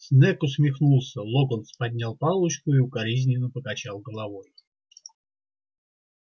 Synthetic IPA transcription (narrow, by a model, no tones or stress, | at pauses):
snɛkʊsʲmʲɪxnulˠsʲəlˠoɡənt̪spɐdʲnʲalˠpɑlˠʊt͡ɕkʊiʊkɐɾʲizʲnʲɪnəpəkɐt͡ɕalˠɡəlˠɐvoj